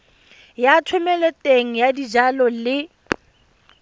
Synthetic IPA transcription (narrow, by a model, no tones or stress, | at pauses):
jatʰwʊmɛlɛtʼeŋ̩jadid͡ʒalɔlɪ